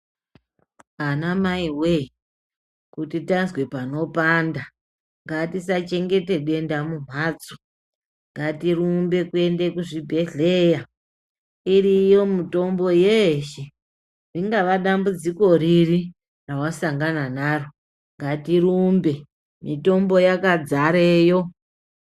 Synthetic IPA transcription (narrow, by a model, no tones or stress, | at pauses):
anamaiwe | kutitanzwe̞pano̞panda | ŋɡatisat͡ʃe̞ŋɡe̞te̞ɗe̞ndamum̤aːt͡su̥ | ŋɡatiɾumbe̞kue̞ndekuʐibʱe̞ɮeja | irijo̞mito̞mbo̞jeʃe | riŋɡaʋaɗambud͡ziko̞ɾiri | rawasaŋɡananaro̞ | ŋɡatiɾumbe̞ | mito̞mbo̞jakad͡zaɾeːjo̞